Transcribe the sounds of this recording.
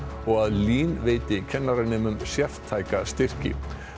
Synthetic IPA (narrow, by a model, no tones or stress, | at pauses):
ɔɣaðliːnveːjt̪ɪcʰɛnːaɾɪnːɪmʏmsjɛr̥t̪ʰːaːjkast̪ɪr̥cɪ̰